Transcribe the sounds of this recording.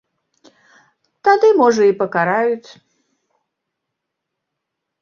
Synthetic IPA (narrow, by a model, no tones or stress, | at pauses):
t̪ad̪ɨmɔʐəipəkaɾajut̪ʲ